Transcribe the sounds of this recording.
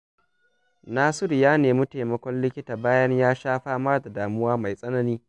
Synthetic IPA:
naː˦sɪ˦ɾjaː˦neː˨mʊ˦ta˨mɐ˦kʷɔ˦nlɪ˦kʲɪ˦taː˨baː˦jɐ˦ɲjaː˦ʃaː˦ɸaː˦mɐ˦rda˨daː˨mʊ˦waː˦ma˨jsʼɐ˦nɐ˦niː˦

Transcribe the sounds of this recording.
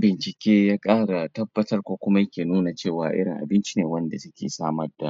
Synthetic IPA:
bɪ˨nt͡ʃɪ˨kʲeː˦jaː˦kʼaː˦ɽa˨tɐ˦bːɐ˦tɐ˦rkʷoː˦kʷʊ˦ma˦jɐ˦kʲeː˨nuː˦na˨t͡ʃeː˦˨waː˨ʔɪ̰˦ɽɪ˨ŋʔa̰˨bɪ˦nt͡ʃi˦neː˨wɐ˦nda˨sʊ˦kʲḛː˨saː˦mɐ˦rda˨

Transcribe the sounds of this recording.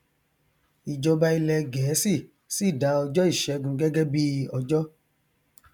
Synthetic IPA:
i˨d͡ʒɔ˧ba˧i˧lɛ˧ɡɛː˨˦si˦˨ | si˦˨da˨˦ɔ˧d͡ʒɔ˦i˦˨ʃɛ˨˦ɡũ˧˦ɡɛ˦ɡɛ˦bi˦ɔ˧d͡ʒɔ˦

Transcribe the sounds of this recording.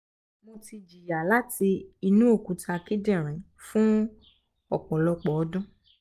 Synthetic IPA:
mo˧ti˧d͡ʒi˨ja˨la˦ti˧i˧nũ˦o˦˨kũ˨˦tʰa˧ki˦dɛ̃˦˨ɾ̃ɛ̃˨ | fũ˦ | ɔ̰˦˨kɔ̃˨lɔ˧k͡pɔ˨ɔ˨˦dũ˦

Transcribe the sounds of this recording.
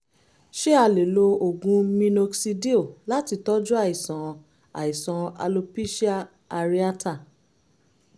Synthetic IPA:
ʃe˦a˧˨le˨lo˧o˨ɡũ˧mĩ˧no˧ksi˧di˦o˦˨la˦ti˧˦tɔ˦d͡ʒu˦a˦˨i˨sɔ̃˨ | a̰˨i˨sɔ̃˨a̰˧lo˧pi˦ʃi˦a˦ | a˧ɾi˦a˦ta˦˨

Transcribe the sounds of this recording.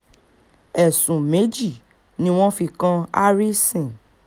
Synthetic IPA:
ɛ˨sũ˨me˨˦d͡ʒi˦˨ | nĩ˦w̃ɔ̃˦fi˧kã˦a˦ɾi˦sĩ˨

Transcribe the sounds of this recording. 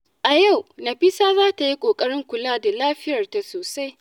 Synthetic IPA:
ʔa˨ja˦˨wnɐ˨ɸi˦saː˦zaː˦ta˨ji˦kʷʼoː˨kʼɐ˦ɽɪ˦ŋkʷʊ˨laː˦da˨laː˦ɸɪ˦jɐ˨rta˨soː˨sa˦j

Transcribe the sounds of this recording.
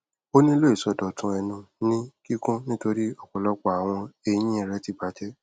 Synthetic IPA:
o˦nĩ˦lo˦i˨sɔ˨dɔ˨tũ˧ɛ˧nũ˧nĩ˦ki˦kũ˦nĩ˦to˧ɾi˦ɔ˦˨k͡pɔ˨lɔ˨˦k͡pɔ˦˨a˨w̃ɔ̃˧e˧j̃ĩ˦ɛ˦˨ɾɛ˦ti˦˨ba˨˦d͡ʒɛ˦

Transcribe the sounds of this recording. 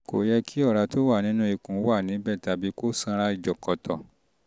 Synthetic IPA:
ko̰˨jɛ˧kʰi˦ɔ˦˨ɾa˧to˦wa˦˨nĩ˨˦nũ˦i˧˨kũ˨˦wa˦˨nĩ˨˦bɛ˦˨ta˧˦bi˨˦ko˦sã˧ɾa˧i˨d͡ʒɔ˨kɔ˨tɔ˨

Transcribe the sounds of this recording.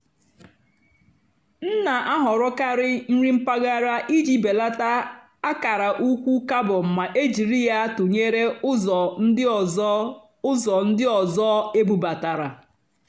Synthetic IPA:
n̩˦na˨ʔa˦ɦɔ˨ɾʊ˦ka˦ɾɪ˦n̩˦ɾi˦m̩˦pa˦ɡa˦ɾa˦ʔi˦d͡ʒi˦be˨la˦ta˦ | a˦ka˨ɾa˨ʔu˦kʷu˦ka˦bʊ˨m̩˨ma˨ʔe˦d͡ʒi˨ɾi˦ja˦tʊ˨ɲe˦ɾe˦ɔ˨n̩˦ | ʊ˦zɔ˨n̩˦dɪ˦ɔ˨zɔ˦e˦bu˨ba˨ta˨ɾa˨

